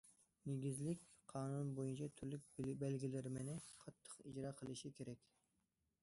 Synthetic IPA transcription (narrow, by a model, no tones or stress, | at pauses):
neɡʲizlɪkʲ | qʰɑːnunbojunt͡ʃʰɑt̪ʰyɾlyk̚ʲbælɡʲilɪɾɪmɪnɪqʰɑt̪ʰːə̥qid͡ʒɾɑːqʰəlˠɨʃikʲʰeɾɛkʲ